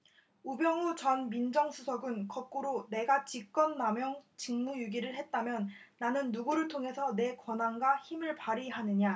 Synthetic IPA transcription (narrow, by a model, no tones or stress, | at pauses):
ubjʌŋut͡ɕʌnmind͡ʑʌŋsʰusʰʌɡɯnkʌp̚k͈uɾone̞ɡat͡ɕik̚k͈ʌnːamjʌŋt͡ɕiŋmujuɡiɾɯɭɦe̞t̚t͈amjʌnːanɯnːuɡuɾɯɭtʰoŋɦe̞sʰʌne̞kwʌnanɡwaçimɯɭpaɾiɦanɯɲa